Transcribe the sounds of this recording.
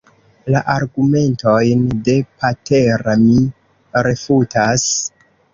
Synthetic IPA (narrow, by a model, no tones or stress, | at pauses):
laʔaɾɡume̞nto̞jnde̞pate̞ɾami | ɾe̞futas